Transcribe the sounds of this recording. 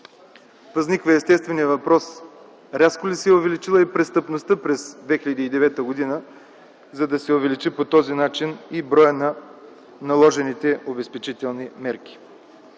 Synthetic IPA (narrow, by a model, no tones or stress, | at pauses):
vɐznikvəɛst̪ɛst̪vɛnijəvɐpɾɔs | ɾʲaskolisɛɛʊvɛlit͡ʃilˠəipɾɛst̪əpnost̪əpɾɛzd̪vɛxilʲɐd̪iːd̪ɛvɛt̪əɡod̪inə | zɐd̪ɐsɛʊvɛlit͡ʃipot̪ɔzinat͡ʃinibɾɔjənɐ | nɐlˠɔʒɛnit̪ɛʔobɛspɛt͡ʃit̪ɛlˠnimɛɾk̟ʲi̥